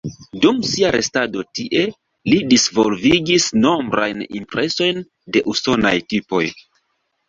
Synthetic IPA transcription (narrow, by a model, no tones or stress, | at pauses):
dumsiaɾe̞stado̞tiʔe̞ | lidisvo̞lviɡisno̞mbɾʔa̰jnḭmpɾʔe̞so̞jn | de̞ʔuso̞na̰jtipo̞̰j